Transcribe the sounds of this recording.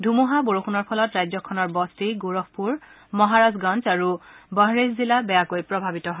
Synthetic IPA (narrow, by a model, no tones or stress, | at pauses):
dʱumuɦaboɹoxʰunɔɹpʰɔlɔtɹajzɔkʰɔnɔɹbɔstiɡoɹɔk̚puɹ | mɔɦaɹazɡãnt͡saɹubəɦɹeszilabɛjakojpɹɔbʱabitɔɦɔ